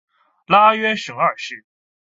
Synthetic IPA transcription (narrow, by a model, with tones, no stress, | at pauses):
la˥ɥɛ˥nʂɤ˧˥ŋə˞˨˩ʂɻ̩˥˩